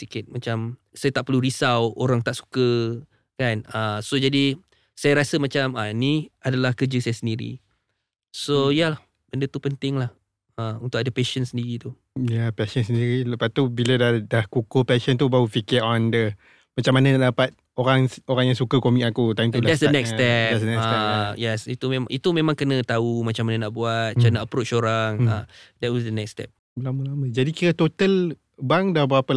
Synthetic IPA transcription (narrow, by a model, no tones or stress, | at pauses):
sikɪt̪̚mat͡ʃamsajat̪aʔpərluɾisawoɾaŋt̪aʔsu̥kə | kanəsod͡ʒadi | sajaɾasəmat͡ʃamaniadalahkəd͡ʒəsajasəndiɾḭ | sojalah | b̥əndət̪upənt̪ɪŋlah | əunt̪ʊkadəpeʃənsəndiɾit̪u | japɛʃəns̬əndiɾiləpat̪ubilədadahkukopɛʃənt̪ubaufikiɔndə | mat͡ʃamanãnadapat̪̚ | oɾaŋoɾaŋjaŋsukəkomikakut̪aimt̪udadɛsdənɛkst̪ɛpdɛtsdənɛkaɛjɛsit̪umemʔit̪umẽmãŋkənə̃t̪aumat͡ʃamanənaʔbuat̪̚t͡ʃanaʔəpɾot͡ʃoɾaŋədɛt̚wɔsdənɛkst̪ɛ̰p̚ | bəlaməlaməd͡ʒadikiɾat̪ot̪əl | baŋdabəɾapəl